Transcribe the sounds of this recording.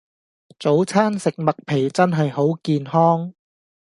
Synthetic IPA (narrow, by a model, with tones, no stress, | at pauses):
t͡so˨˥wt͡sʰaː˥nsɪ˨k̚mɐ˨k̚pʰe˨˩jt͡sɐ˥nɦɐ˨jho˨˥wkiː˨nhɔː˥ŋ